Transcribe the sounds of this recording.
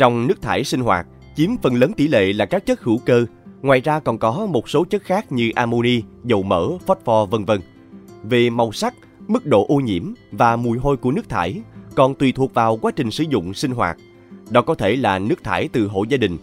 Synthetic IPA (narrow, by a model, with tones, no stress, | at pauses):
t͡ɕɔ˧wŋ͡mnɨ˦˥ək̚t̪ʰaː˧˩jsi˧ŋ̟ɦwa̰ː˨˩t̚ | t͡ɕi˨˦əmfə˨˩nləː˨˦nt̪i˧˩lḛ˧˨laː˨˩kaː˦˥k̚t͡ɕə˦˥t̚hɨ˧˩wkəː˧ | ŋwaː˨˩jzaː˧kɔ˨˩nkɔ˨˦mo˨˩t̚so˨˦t͡ɕə˦˥t̚xaː˦˥k̚ɲɨ˧ʔaː˧mo˧ni˧zə˨˩wməː˧˩fɔ˦˥t̚fɔ˧və˧nvə˧n | ve˨˩ma˨˩wsa˦˥k̚ | mɨ˦˥k̚ɗo̰˧˨ʔo˧ɲḭ˧˥əmvaː˨˩mu˨˩əjɦo˧jku˧˩ənɨ˦˥ək̚t̪ʰaː˧˩jkɔ˨˩nt̪wi˨˩t̪ʰu˨˩ək̚vaː˨˩wkwaː˨˦t͡ɕï˨˩ŋ̟sɨ̰˧˩zʊ̰˧˨ŋ͡msï˧ŋ̟ɦwa̰ː˨˩t̚ | ɗɔ˨˦kɔ˨˦t̪ʰe˧˩laː˨˩nɨ˦˥ək̚t̪ʰaː˧˩jt̪ɨ̰˨˩ɦo̰˧˨jzaː˧ɗï˨˩ŋ̟